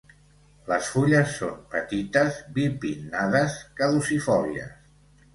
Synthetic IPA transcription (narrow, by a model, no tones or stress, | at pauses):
ləsfuʎəsːompət̪it̪əzbipinːaðəskəðusifɔliə̰s